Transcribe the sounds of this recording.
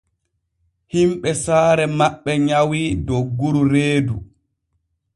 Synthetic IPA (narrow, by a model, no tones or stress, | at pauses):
himɓɛsaːɾɛmaɓːɛɲawidoɡːuɾuɾeːdu